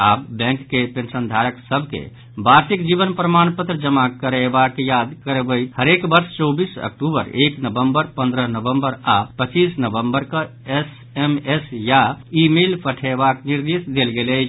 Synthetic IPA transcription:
abbɛ̃ŋkːepensənd̪ʱaɾəksəbʱkḛ | baɾsikd͡ʒibənpɾəmanpət̪ɾəd͡ʒəmakəɾebakjad̪kəɾebəɪt̪həɾekbəɾst͡ʃɔbisə̰kʈubə̰ɾeknəbəmbəɾpə̃nd̪ɾəɦnəbəmbəɾapət͡ʃisnəbəmbəɾkə | es | emesjaimelpʰəʈʰebakniɾd̪esd̪elɡelət͡ʃʰ

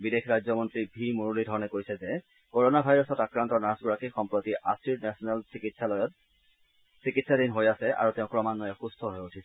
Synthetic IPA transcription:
bidexɹajzɔmɔntɹibʱimuɹulidʱɔɹɔnɛkojsɛzɛ | koɹonabʱajɹɔsɔtakɹantɔɹnasɡuɹakixɔmpɹot̪iʔasiɹnɛsɔnɛlsikitsalɔjɔt | sikitsadinɦojasɛʔa̰ɹuteʊ̃kɹɔmanːɔjɛxustʰɔɦojotʰisɛ

